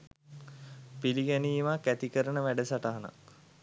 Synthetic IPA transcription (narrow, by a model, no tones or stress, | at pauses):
piliɡæniːmakːæt̪ikəɾənəʋæɖəsaʈaɦana̰k